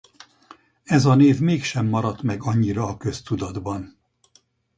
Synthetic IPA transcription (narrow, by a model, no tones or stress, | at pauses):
ɛzɒneːvmeːkʃɛmːɒɾɒt̪mɛɡɒɲːiɾɒːkø̞st̪ud̪ɒd̪bɒn